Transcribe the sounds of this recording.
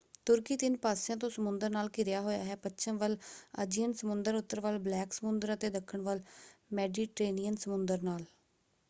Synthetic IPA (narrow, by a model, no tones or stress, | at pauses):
t̪ʊɾkiːt̪ɪnpaːsjãːt̪̬õːsəmʊnd̪əɾnaːlkɪɾɪjaːɦoːja̰ːɦɛːpətːʃʰəmʋələ̰d͡ʒijənsəmʊnd̪əɾʊt̪ːəɾʋəlblɛːksəmʊnd̪əɾət̪eːd̪əkʰːəɳʋəlmɛːɖiːʈɾeːnijənsəmʊnd̪əɾnaːl